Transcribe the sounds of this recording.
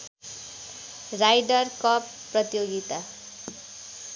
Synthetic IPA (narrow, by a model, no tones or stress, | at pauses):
rajɖʌrkʌpː | rʌt̪joɡit̪a